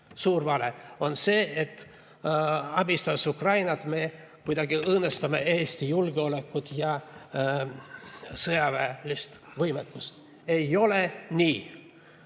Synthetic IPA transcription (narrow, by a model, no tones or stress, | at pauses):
suːɾvɑle̞o̞nse̞ːet̪ː | ɑbist̪ɑsukrɑjnɑt̪me̞ː | kujd̪̥ɑɡ̥iɤːnest̪ɑmeeːst̪ijulɡ̥eo̞le̞kːut̪jɑ | sɤjɑvæːlist̪ | vɤjmekːust̪ | e̞jo̞le̞nʲiː